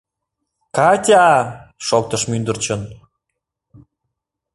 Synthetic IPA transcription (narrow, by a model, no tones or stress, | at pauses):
kɑt̪ʲɑʃok̚t̪ə̆ʃmynd̪ə̆rt͡ɕən